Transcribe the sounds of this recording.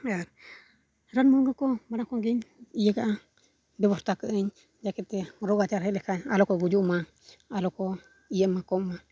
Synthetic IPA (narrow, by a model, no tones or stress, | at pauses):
aɾ | ɾanmɔɾŋɡakɔmaɾakɔŋɡiɲijɛɡaʔa | bɛβɔɾt̪akəʔəɲ | d͡ʒakɛt̪ɛɾɔɡad͡ʒaɾhɛlɛkaɲalɔkɔɡud͡ʒuʔma | alɔkɔ | ijɛmakɔma